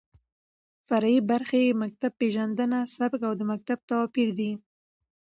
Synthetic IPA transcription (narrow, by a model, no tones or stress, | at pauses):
faɾaibaɾxemak̚t̪ab̚pːeʒand̪ənasabɡawd̪əmak̚t̪ab̚t̪awɑpiɾd̪i